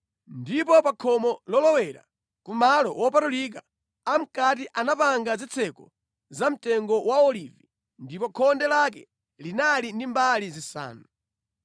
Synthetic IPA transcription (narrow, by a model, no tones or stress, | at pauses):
ndipɔpakʰɔmɔlɔlɔwɛɾa̰ | kumalɔwɔpatulik̬aː | m̩kat̬iʔanapaŋɡazit͡sʰɛkɔ | zam̩tɛŋɡɔwaɔlivi | ndipɔkʰɔndɛlak̬ɛ | linalindimbalizisa̰ːnu